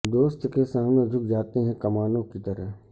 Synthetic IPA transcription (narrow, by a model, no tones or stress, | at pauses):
d̪oːst̪kesaːmned͡ʒ̪ʱʊk̚d͡ʒaːt̪eɦɛ̃kɐmaːnõkit̪əɾəɦ